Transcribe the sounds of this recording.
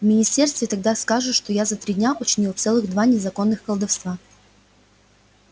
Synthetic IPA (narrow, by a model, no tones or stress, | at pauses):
vmʲɪnʲɪsʲtʲe̞rst̪vʲɪt̪ɐɡ̚d̪askaʐɨʂt̪o̞jazɐt̪ɾʲidʲnʲaʊt͡ɕɪnʲilˠft̪sɛlˠɨɣd̪vanʲɪzɐko̞nːɨxkəlˠd̪ɐfst̪va